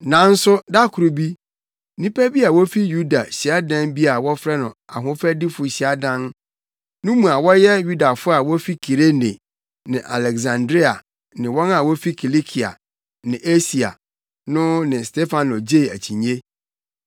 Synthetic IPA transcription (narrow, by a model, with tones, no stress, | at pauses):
nã˨˦n̩˦sʊ˦da˦kʰʊ˨ɾu˨bi˦ | nĩ˦pʰæ˦bi˦a˨wɔ˦fi˦ju˦da˨ɕi˨a˦dã˦nbi˦a˨wɔ˦fɾɛ˦nʊ̃˨a̰˨ɦʊ̃˦fɾɛ˦di˦fʊ˨ɕi˨a˦dã˦n | nʊ̃˦mũ˨a˨wɔ˦jɛ˦ju˦da˨fʊ˦a˨wɔ˦fi˦kʰi˨ɾe˦nḛ˨ | nɪ̃˨ʔa̰˨lɛ˨ɡzã˨ndɾi˦a˨ | nɪ̃˨wɔ̃˦na˨wɔ˦fi˦kʰi˨li˦kʰi˨a̰˨ | nɪ̃˨ʔe˦si˨a̰˨ | nʊ̃˦nɪ̃˨ste˦fa˨nɔ˨d͡ʑe˦˨æ˨t͡ɕʰĩ˨ɲe˦